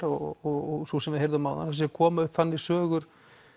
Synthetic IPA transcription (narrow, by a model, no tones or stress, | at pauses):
ɔɔɔɣsusɛmvɪðeɪjɾðʏmawða̰as̬ɛkʰɔːmaʏhpθanːɪsœːɣʏɾ̥